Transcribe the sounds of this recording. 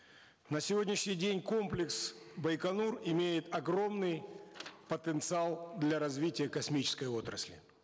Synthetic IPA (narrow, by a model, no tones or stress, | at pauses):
nəsʲɪvo̞dʲnʲɪʂnʲɪjdʲenʲko̞mplʲɪksbəjkɐnurɪmʲejɪt̪ɐɡɾo̞mnɨjpət̪ənt̪sɨalˠd̪lʲɐɾɐzvʲitʲɪjəkɐsmʲit͡ɕɪ̥skəjo̞t̪ɾə̰sʲlʲɪ̰